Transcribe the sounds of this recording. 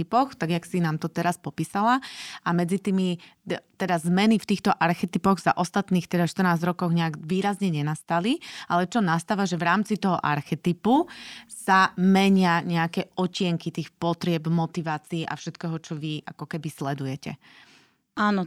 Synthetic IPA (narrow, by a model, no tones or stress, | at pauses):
ipɔxt̪aɡjaksinaːmt̪ɔt̪ɛɾaspɔpiːsalaʔamɛd͡zit̪iːmi | t̪ɛd̪azmɛnift̪iːxt̪ɔʔaɾxɛt̪ipɔɣz̥a̰ʔɔst̪at̪niːxt̪ɛd̪aʃt̪ər̩naːzɟɾɔkɔʊɣɲɛaɡʋiːɾazɲɛɲɛnast̪aliʔalɛt͡ʃɔnast̪aːʋaʒɛʋɾaːmt͡sit̪ɔɦɔʔa̰ɾxɛt̪ipusamɛɲɪaɲɛakɛɔcɪɛŋkit̪iːxpɔt̪ɾɪɛbmɔt̪iʋaːt͡siːʔa̰fʃɛt̪kɛːɦɔt͡ʃɔʋiʔa̰kɔkɛbislɛd̪ujɛcɛ̰ | aːnɔ